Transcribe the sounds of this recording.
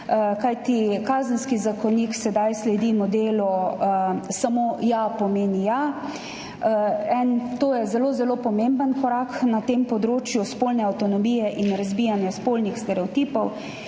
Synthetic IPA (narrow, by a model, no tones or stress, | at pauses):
kajt̪ikaːzənskizakɔniksɛd̪ajslɛd̪imɔd̪eːlɔ | samojapɔmeːnija | ɛnt̪oːjɛzɛlozɛlopɔmembənkɔɾaknat̪empɔd̪ɾoːt͡ʃjuspolnɛawt̪ɔnɔmiːjɛʔinɾɐzbiːjanjaspolnixst̪ɛɾɛɔt̪iːpɔw